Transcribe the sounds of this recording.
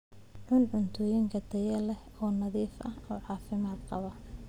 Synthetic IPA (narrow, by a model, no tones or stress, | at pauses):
ʕʊnʕʊnt̪ʰɔːjɪŋkʰɐd̪ɐjɛlɛh | ɔːnɐðiːfʔɐhɔːʕɑːfɪmaːd̪qɑβɐ